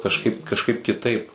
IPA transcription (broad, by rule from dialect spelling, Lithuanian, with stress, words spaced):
kɐʃˈkɐɪp kɐʃˈkɐɪp kʲɪˈtɐɪp